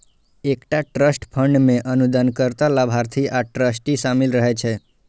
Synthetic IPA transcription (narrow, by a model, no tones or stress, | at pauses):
ekʈaʈɾəsʈpʰəɳɖmẽʔənud̪ənkəɾt̪alabʱaɾt̪ʰiʔaʈɾəsʈisamɪlɾəɦɛt͡ʃʰɛ